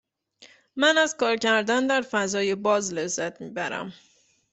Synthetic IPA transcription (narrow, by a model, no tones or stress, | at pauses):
mænæzkʰɒːɾcæɾd̪ænd̪æɾfæzɒːje̞bɒːzlezæt̪ʰmiːbæɾæ̰m